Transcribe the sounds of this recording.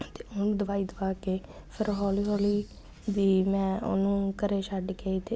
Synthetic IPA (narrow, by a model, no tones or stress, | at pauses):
t̪eːonũːd̪əʋaːiːd̪əʋaːkeːpʰəɾɦɔːliːɦoːliː | biːmɛ̃ːo̰nũːkəɾeːʃaːɖkeːiːt̪eː